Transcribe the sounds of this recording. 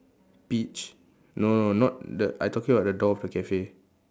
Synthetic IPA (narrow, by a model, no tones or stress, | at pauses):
pit͡ʃ | nononɔt̚dəʔajtɔkĩŋəbaʊt̚dədɔɔfdəkɛfe